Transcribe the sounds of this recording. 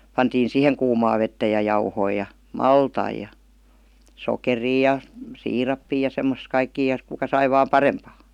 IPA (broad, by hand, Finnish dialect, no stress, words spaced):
pɑntiːn siˑheŋ kuːmɑː ʋetːæ jɑ jɑuhoi jɑ mɑltɑi jɑ sokeriː jɑ siːrɑpːiː jɑ semːos kɑikːiː jɑ kukɑ sɑi ʋɑːm pɑrempɑː